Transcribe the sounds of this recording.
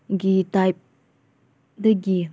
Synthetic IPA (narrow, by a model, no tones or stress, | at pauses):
ɡitajp̚ | dəɡi